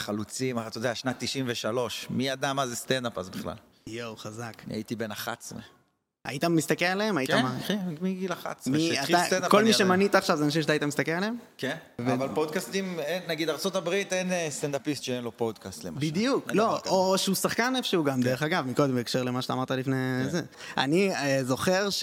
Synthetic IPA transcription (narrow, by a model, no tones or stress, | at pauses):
χalut͡simaat̪odeaʃnat̪ːiʃimveʃalo̞ʃmijad̪amazest̪end̪apazbiχla̰l | jowχazaknia̰it̪ibenaχa̰tt͡smḛ | a̰it̪ammːist̪akelaleemaiamaimiɡilaχa̰tsmeiaat̪edako̞lmiʃemanit̪aːχʃavzeanaʃimʃatait̪amist̪akelaleemkenvevalpod̪̚kast̪imenːaɡid̪aʁt͡sot̪abʁit̪enest̪end̪apist̪ʃeenlopod̪kast̪lḛmabid̪ijuklooːʃeusaχkanefʃeuɡamd̪eʁeχaɡavmiko̞d̪embeːkʃeʁlemaʃataːmaʁt̪alifneze | a̰niezo̞χeʁʃ